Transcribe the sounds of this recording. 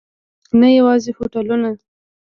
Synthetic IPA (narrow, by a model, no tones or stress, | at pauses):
najawɑzefoʈaluna